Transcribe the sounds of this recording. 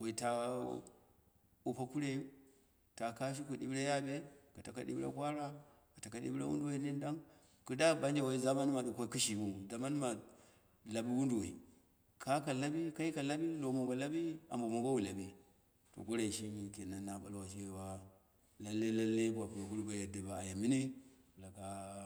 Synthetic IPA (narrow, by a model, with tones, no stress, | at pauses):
wa˨i˨ta˨ | u˨pa˨ku˦ɾe˦ju˦ | ta˨ka˦ʃ̬i˦ku˨ɗi˦be˦ja˦be˦ka˨ta˨ka˦ɗḭ˦bɾa̰˦kʷa˦ɾa˦ | ka˨ta˨ka˦ɗḭ˦bɾa̰˦wṵ˦ndu˦wa˨i˨˦ni˦n˦da˦ŋ | ku˦da˦ba˦nd͡ʒa˨wa˨i˦za˦ma˦n˦ma˨ɗu˨kʷa˦ki˦ʃi˨wu˦u˨da˨ma˦n˦ma˨ | la˨bi˦wu˦ndu˨wa˨i˨ | kʰa˦ka˨la˦bi˦ka˦i˦ka˨la˦bi˦lo˨mo˨ɡa˨la˦bi˦a̰˨mbo˨mu˨ɡa˦wu˨la˨bi˦ | to̰˨ɡo˦ɾa˨ʃi˦i˨ke˨na˨nːa˨ɓa̰˦lwa˨ʃi˦we˨wa˦ | la˦lːe˦la˦lːe˦bʷa˨ku˨a˨ku˦ɾba˨ja˨da˨ba˨a˨ja˨mi˦ni˦˨la˨ka˨